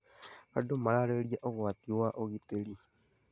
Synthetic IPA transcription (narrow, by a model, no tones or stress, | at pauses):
a̰domaɾaɾeɾiaʔoɣoat̪ioaʔoɣit̪eli